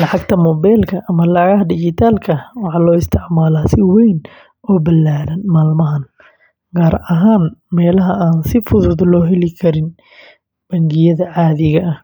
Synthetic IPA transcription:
lɑʕɑɡ̚t̪ʰɐmɔːbɛjlkʰɐʔɐmɐlɑʕɣɐɦɐdɪt͡ʃɪt̪ʰaːlkʰɐwɑħɑːlɔːɪst̪ʰɪʕmaːlaːsɪwɛjn | ɔːbɐlaːɾɐnmaːlmɐɦɐn | ɡaːɾɐɦaːnmɛːlɐɦɐaːnsɪfʊðʊðlɔːɦɛlɪkʰɐɾɪn | b̥ɐŋɡɪjɐðɐʕɑːðɪɣɐʔɐh

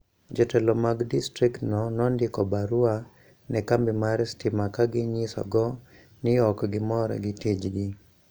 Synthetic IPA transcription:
d͡ʒɔtɛlɔmaɡdistɾiktnɔnɔndɪkɔbaɾua | nɛkambɪmaɾstɪmakaɡɪɲɪsɔ̰ɡɔ | nɪɔkɡɪmɔɾɔ̰ɡɪtid͡ʒɡɪ

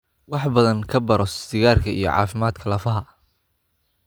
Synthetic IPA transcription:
wɑħbɐðɐŋkʰɐbɐɾɔsɪɣaːrkʰɐḭjɞ̰ʕɑ̰ːfɪmaːd̪kʰɐlɐfɐɦɐ

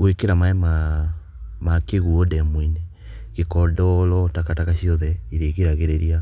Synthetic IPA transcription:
ɣwekeɾamaɛma | makeɣuɔdɛmwini | ɣekɔdɔlɔtakatakaɕiɔðɛiɾeɣeɾaɣeɾeɾia

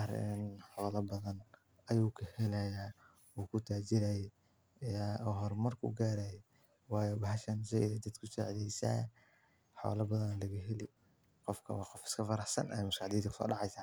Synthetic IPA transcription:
ɾɪ̰nħɔːlɐbɐðɐn | ɐjuːkʰɐhɛlɐjaː | uːkʰʊt̪ʰaːt͡ʃɪɾajɛ | aɔɦɔrmɐrkʰṵɡaːɾajɛ | wɑːjɔbɐɦɐʃɐnsɛɪðɛd̪ɐd̪kʰʊsa̰ːʕðɛjsa̰ː | ħɔ̰ːlɐbɐðɐnlɐɣɐɦɛlɪ | qɔfkʰɐ̰wɑːqɔfɪ̥skʰɐfɐɾɑħsɐnʔɐ̰mʊskaʕd̪iːd̪kʰʊ̥sɔ̰ːɖɑʕɑjsaː

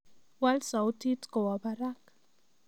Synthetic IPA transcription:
walsawt̪it̪kowabaɾak

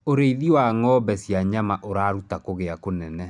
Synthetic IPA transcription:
oɾeiðiwaŋɔːbɛsjaɲamaʔoɾaːɾutakoɣeakonɛnɛ

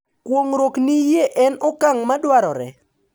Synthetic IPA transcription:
kwoŋɾoknijeʔɛnʊkaŋmadwaɾɔɾɛ̰

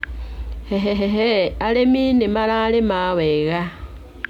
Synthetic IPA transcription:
heɦeɦeɦealeminimalaːlemaweɣa

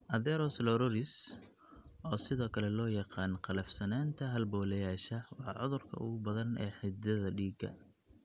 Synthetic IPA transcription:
ʔɐðɛɾɔslɔɾɔɾɪs | ʔɔːsɪðɔːkʰɐlɛlɔːjɑqɑːnqɑlɐfsɐnaːnt̪ʰɐɦɐlbɔːlɛjaːʃɐwɑħɑ̰ʕʊðʊrkʰɐ̰ʊ̰ɣʊbɐðɐnɛ̰ːħɪd̪ɐðɐɖiːɡɐ̰

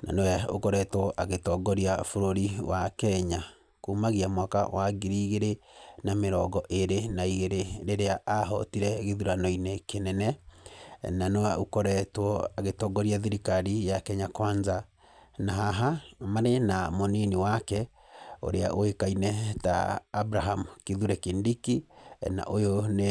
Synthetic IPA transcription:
na̰nowɛokɔɾɛtwɔʔaɣetɔɡɔɾiafoɾoɾiwakɛɲa | kumaɣiamwaka̰waɡiɾiːɣeɾenameɾɔɡɔʔeɾenaiɣeɾeɾeɾeaʔaɦɔ̰tiɾɛɣeðuɾanɔinɛkenɛnɛ | nanoaukɔɾɛtwɔaɣetɔɡɔɾiaðiɾikaɾijakɛɲakwaɲza | naɦaɦamaɾenamoneniwakɛ | o̰ɾea̰ʔoekainɛta̰ːbɾaɦamukiðuɾɛkendikina̰ʔojone

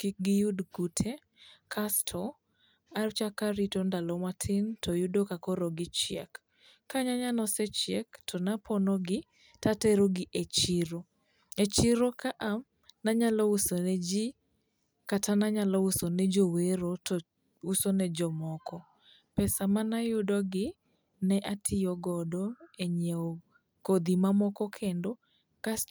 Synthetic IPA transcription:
kik̚ɡɪjudɡutʰe | kʰastʰɔ | art͡ʃakaɾitondalɔmatʰɪntʰɔjudokakɔɾoɡɪt͡ʃɪɛ̰kː | aɲaɲanɔsɛt͡ʃjɛktʰɔnapʰɔnɔɡɪ | tatɛɾoɡɪʔet͡ʃiɪɾo | et͡ʃiɾokaʔam | naɲalɔusonɛd͡ʒi | katanaɲalɔusonɛd͡ʒoweɾot | usonɛd͡ʒɔmɔkɔ | pɛsamanajʊdɔɡɪ | nɛʔatʰɪjɔɡɔdɔeɲe | kod̪imamɔkɔkʰendo | ka

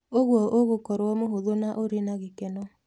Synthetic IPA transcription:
oɣwɔʔoɣokɔɾwɔmoɦoðonaʔoɾenaɣekenɔ

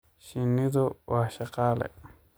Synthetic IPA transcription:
ʃinĩðoaʃakalḛ

